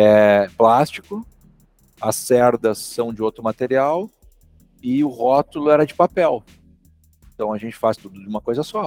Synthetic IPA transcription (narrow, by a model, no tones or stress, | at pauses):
ɛplast͡ʃikʊ | ɐsɛɾd̪ɐsːɐ̃w̃d͡ʒɪowt̪ɾʊmat̪eɾiaw | ɪʊhɔt̪ʊlʊɛɾɐd͡ʒɪpapɛw | ẽt̪ɐ̃w̃ɐʒẽnt͡ʃɪ̥fast̪ud̪ʊd͡ʒɪũmɐkojzɐsɔ